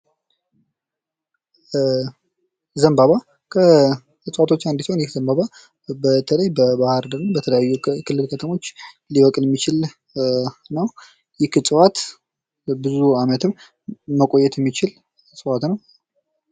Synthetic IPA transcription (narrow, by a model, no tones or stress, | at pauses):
zəmbaβa | kʰə | ɨsʼwat̪ʰo̞t͡ʃːand̪isonjɪhz̥əmbaβa | bət̪ʰələjbəbahɨɾd̪əɾɨmbət̪ʰələjajːukʰɨlːɨlkʰət̪ʰəmo̞t͡ʃː | liwɔkʼljɛmːit͡ʃɪl | nəw | jɪhɨsʼwat̪ | bɨzuamət̪ʰɨmː | əkʼo̞jːɛt̪jɛmːit͡ʃɪl | sʼɨwat̪nəw